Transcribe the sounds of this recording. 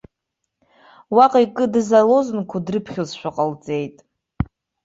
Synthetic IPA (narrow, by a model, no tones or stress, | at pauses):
waqʼikʼɨdɨzalo̞zɨnkʷʰadrɨpʰχʲozʃᶣaqʼəlt͡sʼe̞jtʼ